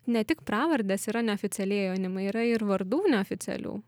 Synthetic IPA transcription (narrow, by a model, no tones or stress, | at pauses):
nʲɛt̪ʲɪkpɾɑːʋɐɾʲd̪ʲeːsiːɾɐnʲɛoːfʲɪt̪sʲɛlʲiɛjoːnʲɪmɐiːɾɐɪɾʋɐɾd̪uːnʲɛoːfʲɪt̪sʲɛ̰lʲṵː